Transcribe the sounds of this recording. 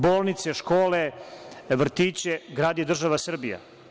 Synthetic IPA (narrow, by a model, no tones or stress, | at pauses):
boːlˠnit̪seʃkoːleʋr̩t̪iːt͡ɕeɡɾaːd̪jed̪r̩ʒaʋasr̩bija̰